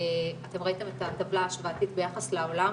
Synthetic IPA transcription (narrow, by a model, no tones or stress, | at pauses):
ate̞mʁaite̞metat̪avlaːʃvaːtitbejaχasleo̞la